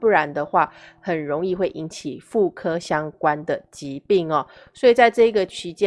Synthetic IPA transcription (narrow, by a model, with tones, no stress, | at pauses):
pu˥˩ɻa˧˦nd̪ə˧xwa˥˩xə˨˩nɻo˧˦ŋi˥˧xwe˥˩ɪʔi˧˦nt͡ɕʰi˨˩fu˥˩kʰɤ˦ɕjɑ˦ŋkwa˦nd̪ə˨˩t͡ɕi˨˦pi˥˩ŋɐ˨˩ | swɔ˧˥i˨˩t͡sa˥˧ɪʈ͡ʂɤ˥˩i˧˦˥ɡə˨t͡ɕʰi˧˥t͡ɕjɛ˦